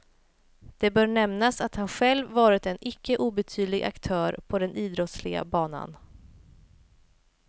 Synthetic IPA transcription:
d̪̥ɛbœːɾɳɛmnasat̪hanɧɛlvːɑːɾɪt̪ɛnɪkːəʔuːbɛt̪ʰyːd̪lɪɡʔa̰kt̪ʰœːɾpʰɔd̪ɛniːd̪ɾɔt̪slɪɡa̰bɑːna̰n

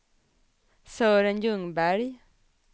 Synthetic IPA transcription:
søːɾənjɵŋbæɾj

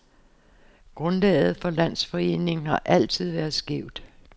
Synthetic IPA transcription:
ɡ̥ʁɔ̽nlɛ̰ːð̞̩ˠfɒ̽læn̰sfɒ̽e̝̰ːne̝ŋn̩hɑ̈ʔæl̰t͡sʰið̞̰ˠʋæɐð̩ˠsɡ̥eʊ̰d̥

